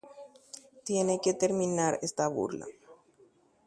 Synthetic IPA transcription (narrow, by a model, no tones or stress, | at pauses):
t̪jeneket̪eɾmĩnaɾest̪aβṵɾla̰